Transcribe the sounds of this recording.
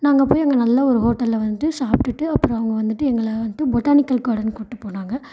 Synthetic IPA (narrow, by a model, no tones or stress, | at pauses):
naːŋɡɐpoːjɐŋɡɐnɐlːɐɔɾɯɦoːʈːɐlːʋɐnd̪ɯʈːɯsaːpʈɯʈːɯɐpːɯɾɔ̃ɐʋɐŋɡɐʋɐnd̪ɯʈːɯɛŋɡɐɭɐʋɐt̪ːɯbɔʈːaːnɪkːɐlkaːɽɐnkʊʈːɯpːoːnaːŋɡɐ